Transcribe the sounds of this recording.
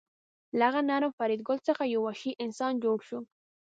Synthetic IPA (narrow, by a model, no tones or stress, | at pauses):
laɣanaɾəmfaɾid̪ɡʊlt͡səxajawaʃiʔɪnsɑnd͡ʒoɽʃu